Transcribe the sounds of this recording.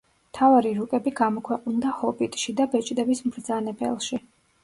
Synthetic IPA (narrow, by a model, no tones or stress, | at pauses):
mt̪ʰavaɾiɾukʼɛbiɡamɔkʰwɛqʼnd̪ahɔbit̪ʼʃid̪abɛt͡ʃʼd̪ɛbismɾd̪zanɛbɛ̰lˠʃi